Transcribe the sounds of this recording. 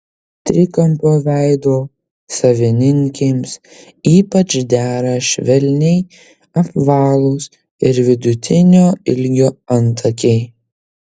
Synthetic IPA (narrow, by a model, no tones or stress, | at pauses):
t̪ʲɾʲɪkɐmpoːʋʲæɪd̪oː | sɐʋʲɪnʲɪŋʲkʲeːms | iːpɐt͡ʃd̪ʲæːɾɐʃʲʋʲɛlʲnʲɛɪ | ɐpʋɑːlˠʊːs | ɪɾʋʲɪd̪ʊt̪ʲɪnʲoːɪlʲɡʲoːɐnt̪ʰɐkʲɛɪ